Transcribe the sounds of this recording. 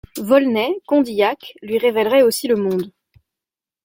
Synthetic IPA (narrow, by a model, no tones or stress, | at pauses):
vɔlnɛkɔ̃d̪ijaklɥiʁevɛlʁɛosiləmɔ̃d̪